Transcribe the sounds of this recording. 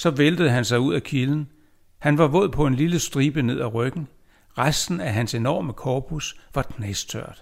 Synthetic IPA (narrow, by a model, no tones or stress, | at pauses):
sɒ̽ʋeld̥əð̩ˠɦænsɑ̈ɪuð̞̰ˠækʰiln̩ | hænʋɑ̈ʋɔ̽ð̰ˠpʰɒ̽e̝nliləsd̥ʁiːb̥əne̝ð̰ˠæʁœɡ̥n̩ | ʁasd̥n̩æɦænse̝nɒ̰ːməkʰɒːpʰusʋɑ̈ɡ̥ʰnest͡sʰøɐ̰d̥